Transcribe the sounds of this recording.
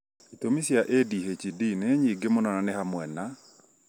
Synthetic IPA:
it̪omisjaʔediɦet͡ʃidinɛɲiɡemɔnɔnanɛhamwɛna

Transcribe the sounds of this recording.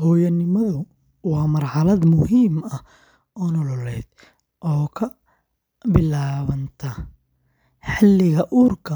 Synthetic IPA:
hɔːjɐnɪmɐðʊ | wɑːmɐrħɑlɐd̪mʊhiːmɐ | ɔnɔlɔlɛːd̪̥ | ʔɔːkʰɐ | bɪlaːβɐnt̪ʰɐ | ħɪlːɪɣɐʔuːrkʰɐ

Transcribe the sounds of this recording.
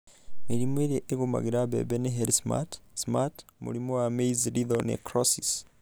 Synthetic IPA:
meɾimoeɾeʔeɣoma̰ɣeɾaβɛ̰βɛneɦeɾisma̰tsmatmṵɾimɔwameizɾiðɔnḛkɾɔsis

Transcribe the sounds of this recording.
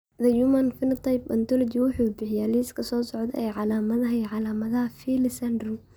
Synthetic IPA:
ðɐjumɐnfɪnɐt̪ʰɑjpɐnt̪ʰɔlɔt͡ʃɪwʊħuːbɪħɪjaliːskʰɐsɔːsɔʕd̪ɛ̰ʔɛjʕɑlaːmɐðɐɦɐiʕɑlaːmɐðɐɦɐfiːlɪsɐnd̪ru

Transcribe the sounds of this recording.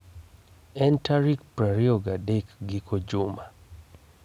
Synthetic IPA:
ɛntaɾik̚pɾaɾioɡadekɡɪkod͡ʒʊma

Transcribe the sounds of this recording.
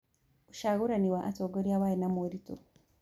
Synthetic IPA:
uʃaɣuɾaniwaʔatoɡoɾjawajenamoɾito̰

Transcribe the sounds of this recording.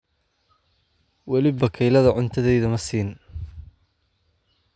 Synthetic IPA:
wɐlɪbɐkʰɛjlɐðɐʕʊnt̪ʰɐðɛjðɐmɐsiːn

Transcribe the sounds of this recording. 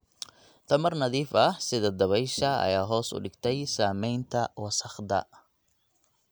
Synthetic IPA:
t̪ʰɐmɐrnɐðiːfɐhsɪðɐd̪ɐβɛjʃɐɐ̰jaːɦɔːsʊ̰ɖɪɡt̪ʰɛjsaːmɛjnt̪ʰɐwɑsɐχd̪ɐ̰

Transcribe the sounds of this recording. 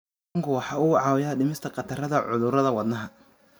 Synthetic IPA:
ŋkʰʊwɑħɑːʊʕɑːwɪjaːɖɪmɪst̪ʰɐqɑt̪ʰɐrɐðɐʕʊðʊrɾɐðɐwɐd̪nɐɦɐ

